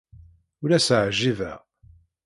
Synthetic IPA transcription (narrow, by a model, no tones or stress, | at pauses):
ʊlæsəʕʒivæ̰